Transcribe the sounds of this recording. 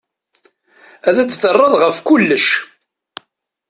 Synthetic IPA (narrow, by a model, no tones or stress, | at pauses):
æðæt͡sːθərˤːɑðˤʁəfkʊlːəʃ